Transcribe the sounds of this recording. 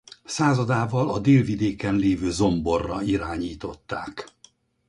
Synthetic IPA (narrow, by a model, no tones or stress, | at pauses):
saːzɒd̪aːvɒlɒd̪eːlvid̪eːkɛnleːvøːzo̞mbo̞rːɒiɾaːɲiːt̪o̞t̪ːaːk